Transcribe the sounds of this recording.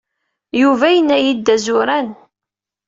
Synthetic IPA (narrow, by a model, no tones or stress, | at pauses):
juvæjənːæjid̪ːæzʊɾæn